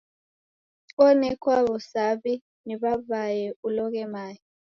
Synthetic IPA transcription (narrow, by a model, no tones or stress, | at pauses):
ɔnɛk̬waβɔsaβi | niβaβajɛulɔk̬ɛmaːji